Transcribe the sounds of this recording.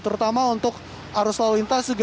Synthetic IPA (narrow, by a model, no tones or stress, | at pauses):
t̪əɾut̪amaunt̪ʊk̚ | aɾuslalint̪asəɡ